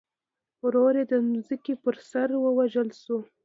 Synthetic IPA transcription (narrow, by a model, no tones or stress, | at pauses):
ɾoɾed̪ənzəkepəɾsaɾwəwaʒəlʃu